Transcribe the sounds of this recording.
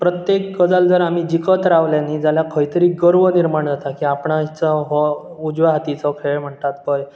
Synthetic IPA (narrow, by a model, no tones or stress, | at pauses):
pɾət̪jekːəd͡zald͡zəɾam̤iːd͡ʑikət̪ɾaʋljanid͡zaljakʰəjt̪əɾiːɡəɾʋəniɾmaɳd͡zat̪akiapɳait͡səɦɔ | ud͡ʑʋaɦat̪it͡sɔkʰeɭm̤əɳt̪at̪̚kəj